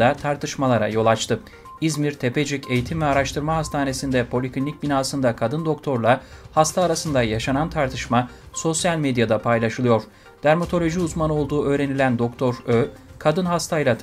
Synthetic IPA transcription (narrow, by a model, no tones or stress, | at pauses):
d̪at̪ʰaɾt̪ʰɯʃmalˠaɾa̰jo̞lˠat͡ʃt̪ʰɯ | izmiɾt̪ʰe̞pe̞d͡ʒicʰe̞jit̪ʰimvɛaɾaʃt̪ʰɯɾmaɦast̪ʰaːne̞sind̪ɛpʰo̞lʲikʰinːʲic̚binaːsɯnd̪akʰad̪ɯnd̪o̞k̚t̪ʰo̞ɾlˠahast̪ʰaːɾasɯnd̪ajaʃanant̪ʰaɾt̪ʰɯʃma | so̞sjalʲmed̪jad̪apʰajlˠaʃɯlˠɯjo̞ɾ̥ | d̪̥æɾmot̪ʰo̞lʲo̞ʒiuzmano̞lˠd̪uːʔø̞ːɾe̞nilʲænd̪o̞k̚t̪ʰo̞ɾø | kʰad̪ɯnɦast̪ʰajlˠa